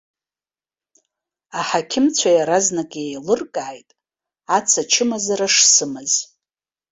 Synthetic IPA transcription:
aħakʲʰɪmt͡ɕʷʰajaɾaznakʲʼejlɨrkʼaːjtʼ | at͡sʰat͡ʃʰɪmazaraʂsɨmɨz

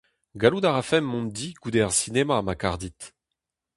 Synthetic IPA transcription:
ɡalud̪aʁafɛmːɔ̃md̪iɡ̥ud̪ɛʁsinemamakaʁd̪it̪

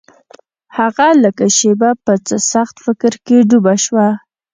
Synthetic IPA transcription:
haɣaləkaʃebapət͡səsaxt̪fɪkɾkeɖubaʃwa

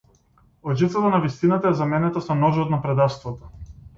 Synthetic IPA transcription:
ɔʒit̪ˠat̪anavist̪inat̪aɛzamɛnɛt̪asɔnɔʒɔt̪napɾɛd̪ast̪vɔt̪ɔ̥

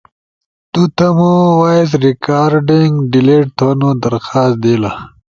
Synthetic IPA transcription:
t̪ut̪ɐmuwaːjzɾikaːɾɖiŋɡɖileːʈ̚t̪ʰonod̪ɐɾxaːst̪d̪ela

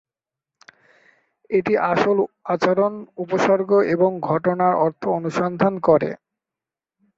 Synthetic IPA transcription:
eʈiʔaʃolat͡ɕaɾonupoʃɔɾɡʱoʔeboŋɡʱɔʈonaɾɔɾt̪ʰoonuʃɔnd̪ʱankɔɾḛ

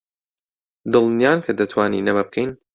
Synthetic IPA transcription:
d̪ɨlˠnjaːnkʰɐd̪ɐt̪ʰwaːnḭːnɐbɐb̚qʰejn

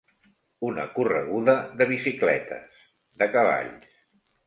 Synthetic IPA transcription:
unə̰kurəɣuðəðəβ̞isiklɛ̰t̪ə̰s | ðəkəβa̰ʎs

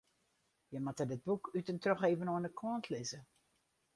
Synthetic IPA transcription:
jəmatədɪd̚bukʰytəntroxeːvənoənəkʰɔəntʰlɪzə

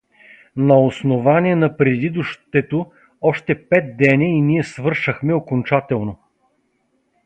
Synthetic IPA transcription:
nɐosnovaniɛnɐpɾɛd̪id̪ʊʃt̪ɛt̪o | ɔʃt̪ɛpɛt̪̚d̪ɛnʲɐiniɛsvɤɾʃəxmɛokont͡ʃat̪ɛlˠno

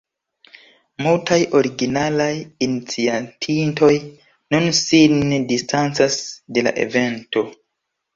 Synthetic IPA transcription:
multajʔo̞ɾiɡinalajinit͡siatʰintʰo̞j | nunsindistant͡sasde̞la̰ʔe̞̰ve̞nto̞

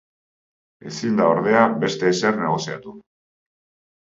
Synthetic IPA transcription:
e̞sind̪aoɾðe̞abe̞st̪e̞ːserne̞ɣ̞o̞sia̰t̪u

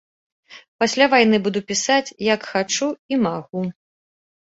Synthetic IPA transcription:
pasʲlʲavajn̪ɨbud̪upʲisat͡sʲjɐkxat͡ʂuimaɣu

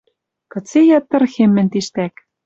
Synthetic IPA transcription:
kɤ̆t͡sejɑt̪ːɤ̆rxemːɘ̆nt̪iʃt̪æk

